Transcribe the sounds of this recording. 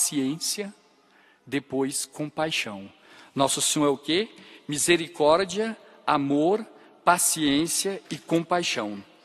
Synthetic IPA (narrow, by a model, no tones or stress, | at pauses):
siẽsiɐ | d̪epojskõpajʃɐ̃w̃ | nɔsʊsĩw̃ɛʊkemizeɾikɔɾd͡ʒiɐ | amoɾ | pasiẽsiɐɪkõpajʃɐ̃w̃